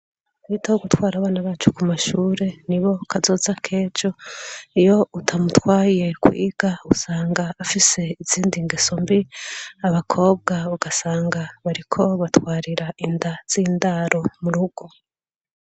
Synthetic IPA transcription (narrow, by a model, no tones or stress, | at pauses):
wiːtʰauɡutwaːɾaβaːnaβaːt͡ʃukumaʃuːɾe̞niβo̞kʰazo̞ːzakʰe̞ːd͡ʒo̞ijo̞utʰamutwaːje̞kwḭːɡ̥ausaːŋɡaːfise̞iz̥iːndiŋɡeso̞mbiaβakʰo̞ːb̚ɡauɡasaːŋɡaβaɾikʰo̞βatwaːɾiɾaindaz̥iːndaɾʔo̞muɾuɡ̥o̞